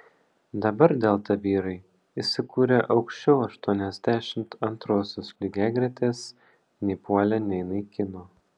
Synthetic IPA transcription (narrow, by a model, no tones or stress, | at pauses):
d̪ɐbɐɾd̪ʲeːlˠt̪ɐʋʲiːɾɐɪ | isʲɪkuːɾʲeʔɒʊkʃʲt͡ʃʲɛʊɐʃt̪uɔnʲɛzʲd̪ʲæːʃʲɪmt̪ɐnt̪ɾoːsʲoːspʲlʲɪɡʲæːɡɾʲɛt̪ʲeːs | nʲɛɪpuɔlʲɛnʲɛɪnɐɪkʲɪnoː